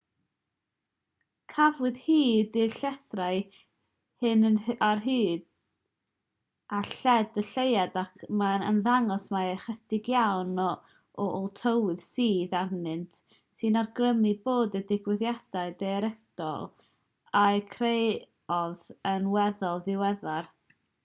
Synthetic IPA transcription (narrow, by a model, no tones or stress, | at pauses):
kʰavwɨð̥hiːdɪɬɛθraɨ | hɨnənarɦiːd | aɬɛdəɬejadakʰmaə̰nðaŋɔsmaɛχɛdɪɡjawnɔ | ɔʔɔlˠtʰəwɨð̥siːðarnɨntʰ | sɨnarɡrəmɨboːdədɪɡwɨðjad̥aɨdɛɾɛd̥ɔ̰lˠ | akʰrej | ɔðənwɛðɔlˠðɪwɛðar